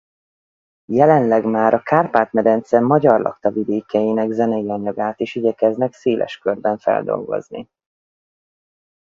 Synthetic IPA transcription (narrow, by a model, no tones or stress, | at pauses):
jɛlɛnlɛɡmaːɾʔɒkaːrpaːt̪mɛd̪ɛnt̪sɛmːɒɟɒrlɒ̰kt̪ɒvid̪eːkɛjinɛɡzɛnɛjiɒɲɒɡaːt̪eːʃiɟɛkɛznɛkseːlʔɛ̰ʃkørbɛɱfɛ̰ld̪o̞̰lɡo̞̰znḭ